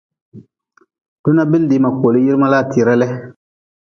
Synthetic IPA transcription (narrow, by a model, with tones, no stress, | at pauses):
d̥ʊ˦na˦bɪ˦ldi˨˦˨ma˨ko˨lɨ˦ji˦ɾma˦la˦˨tʰi˨ɾa˦lɛ˦